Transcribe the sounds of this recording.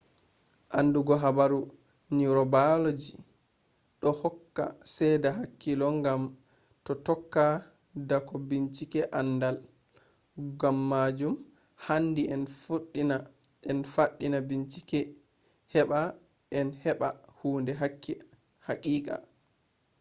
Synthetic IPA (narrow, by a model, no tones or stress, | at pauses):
ʔanduɡɔɦabaɾu | niɾɔbalod͡ʒi | ɗɔhɔkːa̰sɛjdaɦakːilɔŋɡam | tɔtɔkːa | dakɔbiɲt͡ʃikɛʔandal | ɡamːad͡ʒum | handiʔɛnfuɗːina | ʔɛnfaɗːinabint͡ʃi̥kɛ | hɛɓa | ʔɛnhɛɓahuːndɛɦakːi | hakʼiːkʼa̰